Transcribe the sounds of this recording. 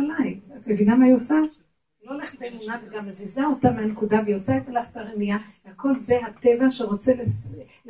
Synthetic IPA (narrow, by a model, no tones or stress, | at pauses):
alajiamevinamajosa | loleχbenunaveɡamazizaotameankudavejosaetalaχtaʁenijavehako̞lzeɦat̪evaʃeʁot͡seles